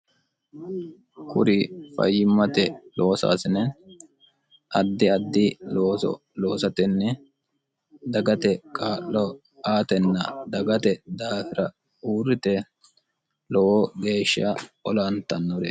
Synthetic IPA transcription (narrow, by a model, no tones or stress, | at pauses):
kʰʊ̰ɾɪfɐ̰jːɪmːɐt̪ɛlʔoːsa̰ːsɪnɛ | ʔɐd̪ːɪɐd̪ːɪloːsɔ̰ | lo̞ːsɐt̪ɪnːɛ | d̪ɐɡɐt̪ɛkʼaːʔːɔ | aːt̪ɛnːɐd̪ɐɡɐt̪ɛd̪aːfɪɾɐ | uːrːɪt̪ɛ | lɔwɔɡeːʃːɐɔlɐnt̪ɐnːɔɾɛ